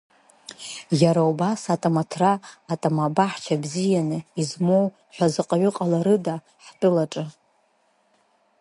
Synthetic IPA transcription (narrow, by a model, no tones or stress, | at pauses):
jaɾaubasatʼamatʰraːtʼamabaħt͡ʃʷʰabzijanɨizmow | ħʷᶣazɨqʼaɥʷʊqʼalaɾɨda | ħtʼɨlaʈ͡ʂʼɨ